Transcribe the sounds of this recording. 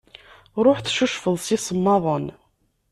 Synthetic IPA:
ɾˤoħθʃuʃfəðˤsisəmːɑðˤən

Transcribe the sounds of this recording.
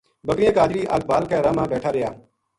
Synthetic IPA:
bəkɾɪjãːkaːd͡ʒɾiːʔa̰ːl̚baːlkɛːɾãːmãːbɛːʈʰaːɾɪjaː

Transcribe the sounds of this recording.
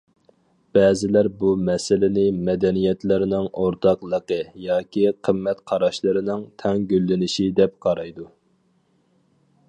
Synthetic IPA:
b̥ɛːzɪlæɾbumɛsɪlɪnɪmɛd̪ɛnijɛt̪lɪɾɪnɪŋoɾt̪ɑqlˠəqəjɑːkʲiqʰəmːɛt̪qʰɑɾɑʃlˠəɾɨnɪŋt̪ʰɛŋɡʲylːɪnɪʃid̪ɛp̚qʰɑɾɑjd̪u

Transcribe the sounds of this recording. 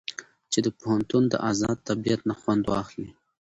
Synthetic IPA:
t͡ʃed̪əpohant̪und̪ə̰ʔɑzɑd̪̚t̪abijat̪naxwand̪wɑ̰xli

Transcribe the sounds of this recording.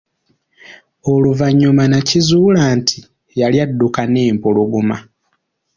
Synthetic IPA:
oluvaɲːumanacizuːlaːntʰi | jaljadːukane̞ːmpoloɡuma̰

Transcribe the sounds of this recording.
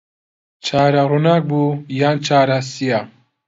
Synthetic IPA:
t͡ʃʰaːɾaɾunaːk̚buːjaːnt͡ʃʰaːɾasija

